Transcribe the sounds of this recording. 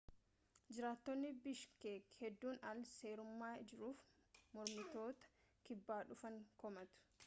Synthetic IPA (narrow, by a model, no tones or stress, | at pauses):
d͡ʒɪɾaːt̪ːɔnːɪbɪʃkeːkhɛd̪ːuːnɐlseːɾʊmːaːd͡ʒɪɾuːfmɔɾmɪt̪o̞ːt̪ɐ̥ | kɪbːaːᶑʊfɐŋkɔmɐt̪ʊ̥